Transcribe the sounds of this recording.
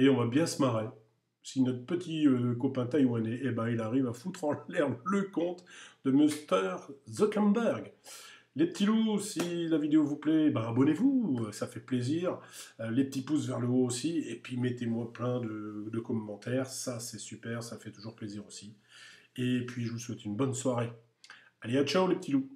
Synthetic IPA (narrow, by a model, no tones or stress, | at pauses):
eɔ̃vabjɛ̃səmaʁe | sinɔt̪χəpət̪ʰiøkɔpɛ̃t̪ajmwaneʔːbãilaʁivafut̪χɑ̃lalɛʁmləkɔ̃t̪d̪̥əmøst̪œʁzɔkɛnbɛʁɡ | lepət̪ʰilusilavid̪eovuplɛbãabɔnevuøsafɛpleziʁølepət̪ipusvɛʁləoosiepɥimet̪emwaplɛ̃d̪əd̪əkɔmːɑ̃t̪ɛʁsasɛsypɛʁsafɛt̪uʒuʁpleziʁosi | epɥiʒəvuswɛt̪ynbɔnswaʁe | aleat͡ʃaolepət̪ʰilu